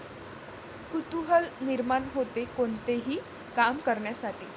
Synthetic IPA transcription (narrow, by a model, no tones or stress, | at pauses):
kut̪uɦəlniɾmanɦot̪ekoɳt̪eɦiː | kamkəɾɳjasaʈʰiː